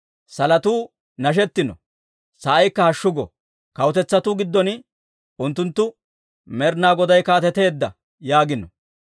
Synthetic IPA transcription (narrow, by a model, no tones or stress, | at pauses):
sɐlɐt̪uː | nɐʃ̬ɛt̪ːɪnɔ̰ | sɐʔɐjkːɐhɐʃːʊɡɔ | kɐwʊt̪ɛt͡sːɐt̪ʊɡɪd̪ːɔn | ʔʊnt̪ːʊnt̪ːʊ | mɛɾnaːɡɔd̪ɐjkaːt̪ɛt̪e̞ːd̪ːɐ̰ | jaːɡɪnɔ